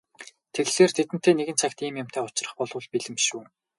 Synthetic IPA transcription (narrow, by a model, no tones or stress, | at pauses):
t̪ʰeɣɮeːrt̪ʰet̪ɘ̆n̥t̪ʰeːneɣɘ̆nt͡sʰakt̪iːmjʊm̥t̪ʰæːʊt͡ɕrə̆χpɔɮʊ̆ɮpiɮɘ̆mʃuː